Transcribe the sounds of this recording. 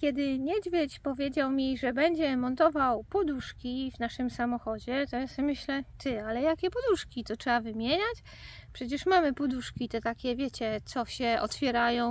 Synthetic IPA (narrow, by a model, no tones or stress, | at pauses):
kʲjɛd̪ɘɲɛd͡ʑvʲjet͡ɕpɔvʲjed͡ʑawmʲiʐɛbɛɲd͡ʑɛmɔnt̪ɔvawpɔd̪uʂkʲivnaʂɘmsamɔxɔd͡ʑɛt̪ɔjasmɘɕlɛt̪ʰɘalɛjakʲɛpɔd̪uʂkʲit̪ɔtʂɛbavɘmʲjeɲat͡ɕ | pʂɛt͡ɕɛʂmamɘpɔd̪uʂkʲit̪ɛt̪akʲɛvʲjet͡ɕɛt̪sɔɕɛʔɔ̰t̪fʲjɛɾajɔ̃w̃